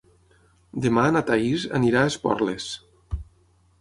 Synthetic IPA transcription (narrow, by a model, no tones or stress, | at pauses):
d̪emanat̪aiza̰niɾaespɔ̰ɾles